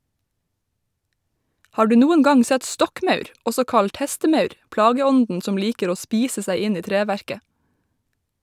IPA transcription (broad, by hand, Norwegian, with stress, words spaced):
ˈhɑː ˈɖʉː ˈnuːən ˈɡɑŋ ˈsɛt ˈstɔkˌmœʉɾ ˈʔɔsɔ ˈkɑʎt ˈhɛstəˌmœʉɾ ˈplɑːɡəˌɔndn̩ ˈsɔm ˈliːkəɾ ˈoː ˈspiːsə ˈsæɪ ˈɪn ˈiː ˈtɾeːˌʋæɹkə